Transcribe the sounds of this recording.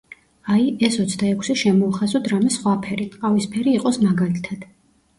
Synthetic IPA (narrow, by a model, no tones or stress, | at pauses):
aiɛsɔt̪sʰd̪aɛkʷʰsɛʃɛmɔːχazut̪ʰɾamɛsχwapʰɛɾiqʼavispʰɛɾiːqʼɔsmaɡalit̪ʰad̪̥